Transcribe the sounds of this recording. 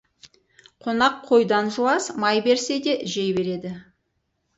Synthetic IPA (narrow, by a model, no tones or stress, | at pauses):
qʰonɑqʰːo̞jd̪ɑnʒuɑsmɑjbe̞ɾse̞d̪e̞ʔʒejbe̞ɾe̞d̪ɪ